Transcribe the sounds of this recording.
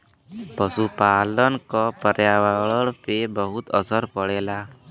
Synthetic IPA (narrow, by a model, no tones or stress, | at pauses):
pɔsupalɔnkɔpəɾjawaɭɔɽpebɔɦut̪ɔsɔɾpɔɽɛla